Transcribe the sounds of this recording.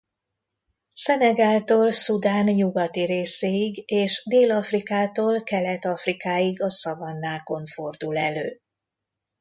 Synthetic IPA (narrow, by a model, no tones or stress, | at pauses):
sɛnɛɡaːlt̪oːlsud̪aːnjuɡɒt̪iɾeːseːiɡeːʃd̪eːlɒfrikaːt̪oːlkɛlɛt̪ɒfrikaːjiɡɒsɒvɒnːaːko̞ɱfo̞rd̪ulɛløː